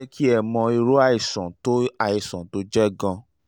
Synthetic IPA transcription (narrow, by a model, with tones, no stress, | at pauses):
kʰi˦ɛ˦˨mɔ̃˧i˧ɾo˦a˦i˨sã˨to˦a˦˧i˨sã˨to˦d͡ʒɛ˦ɡã˧